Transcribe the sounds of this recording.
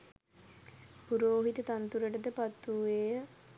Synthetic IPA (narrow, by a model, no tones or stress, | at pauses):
puɾoːɦit̪ət̪ant̪uɾəʈəd̪əpat̪ːueə